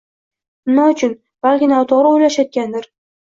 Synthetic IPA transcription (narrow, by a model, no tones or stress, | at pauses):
naʊt͡ʃʰʊn | b̥alkʲɪnawt̪ʰɒɾɪojlaʃat̪̚ɡʲand̪ɪɾ